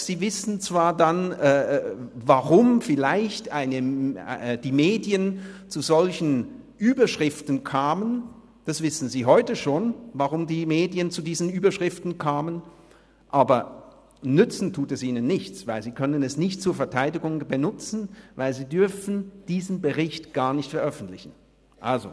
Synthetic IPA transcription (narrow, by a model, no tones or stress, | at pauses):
z̥iːvɪsn̩t͡sv̥aːɐdanɛːvaʁʊmfɪlaɪçtʔaɪnə | d̥iːmeːdjənt͡suzɔlçn̩ | ʔyːbɐʃʁ̥ɪftn̩kʰaːmən | d̥asv̥ɪsn̩ziːɦɔʏtəʃoːnvaʁʊmdiːmeːdiənt͡sudiːzn̩yːbɐʃʁ̥ɪftn̩kʰaːmən | ʔaːbɐ | nʏt͡sn̩tʰuːtɛsʔiːnənːɪçt͡svaɪlziːkʰœnənɛsnɪçtt͡suːɐfɛɐtʰaɪdɪɡʊŋbənʊt͡sn̩vaɪlziːdʏɐfn̩d̥iːzn̩bəʁɪçtɡ̥aːɐnɪçtfɛɐʔœfn̩tlɪçn̩ | ʔa̰lzo̰